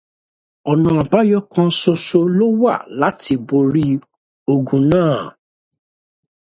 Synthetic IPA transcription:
ɔ˨nã˨˧˨a˨ba˦jɔ˦kã˧˦so˧so˧lo˦wa̰˦˨la˨˦ti˧bo˧ɾi˦ | o˧ɡũ˨nãː˦˨

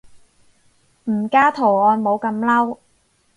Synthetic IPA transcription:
m̩˨˩kaː˥t̪ʰo˨˩ɔː˧nmo˨˧wkɐ˧mlɐ˥w

